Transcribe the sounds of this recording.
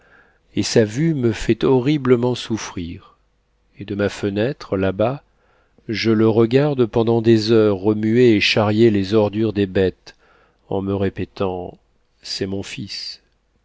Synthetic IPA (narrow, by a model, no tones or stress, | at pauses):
esavyməfɛt̪ɔʁibləmɑ̃sufχiʁ | ed̪əmafənɛt̪χlaba | ʒələʁəɡaʁd̪pɑ̃d̪ɑ̃d̪ezœʁːəmyeːʃaʁjelezɔʁd̪yʁd̪ebɛt̪ | ɑ̰̃məʁepet̪ɑ̃ | sɛmɔ̃fis